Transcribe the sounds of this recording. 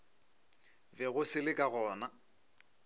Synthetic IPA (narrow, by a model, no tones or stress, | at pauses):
bɛɣʊsɪlɪkʼaɣɔːna